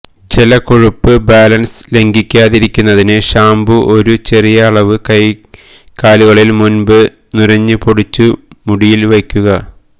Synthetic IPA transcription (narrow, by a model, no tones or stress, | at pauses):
d͡ʑelɐkoɻupːɨbaːlɐnsle̞ŋɡikʲːaːðiɾikʲːunːɐðinɨɕaːmbuʔo̞ɾut͡ɕe̞rijɐːɭɐʋɨkɐj | kaːliɣɐɭilmunbɨ | nuɾɐɲːɨpoɽut͡ɕːumuɽijilʋekʲːuɣɐ